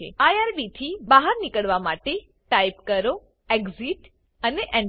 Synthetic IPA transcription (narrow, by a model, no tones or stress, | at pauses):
ḛajaɾbit̪ʰibaɦəɾnikəɭʋamaʈe | ʈaipkəɾo | eɡziʈ | əneʔɛɳ